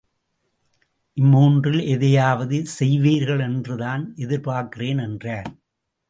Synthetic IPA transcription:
ʔɪmːuːndrɪlɛðɐjaːʋɐðɯsɛjʋiːɾɣɐɭɛndrɯðaːnʔɛðɪɾpaːɾkɪreːnɛndraːɾ

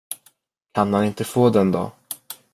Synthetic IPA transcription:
kʰanhanɪnt̪əfoːd̪ɛnd̪ɔ̰

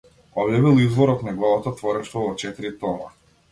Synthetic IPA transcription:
ɔbjaβilˠizvɔɾɔknaɡlˠavɔt̪ɔt̪vɔɾɛʃt̪vɔvɔt͡ʃɛt̪iɾit̪ɔna

